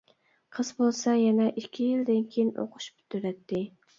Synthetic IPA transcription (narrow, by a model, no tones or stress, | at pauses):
qʰəzbolˠsɑjɛnɛʔikʲʰːijild̪ɪnkʲʰejinʔo̰qʰʊ̥ʃby̥t̪ʰyɾɛt̪ʰːɪ